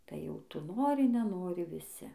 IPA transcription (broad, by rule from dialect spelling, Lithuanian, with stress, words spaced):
tɐɪ jɛʊ ˈtʊ ˈnoːrʲɪ nʲɛˈnoːrʲɪ ʋʲɪˈsʲɪ